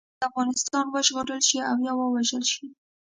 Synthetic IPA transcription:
d̪əafɣɑnɪst̪ɑnwəʒɣoɽəlʃiawjɑwəwaʒəlʃi

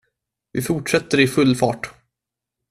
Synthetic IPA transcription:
vɪfʊʈʂɛt̪ːəɾɪfɵlːfɑːʈ

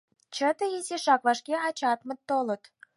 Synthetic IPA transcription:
t͡ɕət̪əezʲeʃɑkvɑʃkʲeɑt͡ɕɑt̪mə̆tt̪ːolə̆t̪

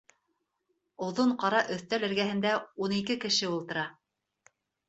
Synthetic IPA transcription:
ŏðoɴqɑɾɑʔɵ̆θt̪ælɘ̆ɾɡæhɘ̆nd̪æunikɘkɘ̆ʃɘulˠt̪ɤ̆ɾɑ

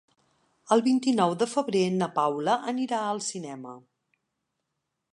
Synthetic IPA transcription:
əlˠβint̪inɔwðəfəβɾenəpawləʔəniɾaəlˠsinɛmə

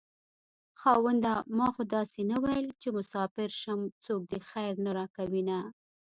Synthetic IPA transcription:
xɑwand̪amɑxod̪ɑsenawajəlt͡ʃemʊsɑfɪɾʃamt͡sok̚d̪əxajɾnaɾɑkawina

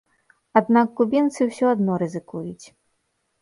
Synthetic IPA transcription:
ad̪nakːubʲint̪sɨwsʲɔad̪nɔɾɨzɨkujut͡sʲ

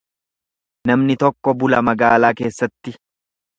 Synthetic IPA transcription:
nɐmnɪt̪ɔkːɔbʊlɐmɐɡaːlaːke̞ːsːɐt̪ːɪ

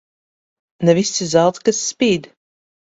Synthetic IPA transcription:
nɛvʲist̪sizalˠt̪skasːpʲiːd̪

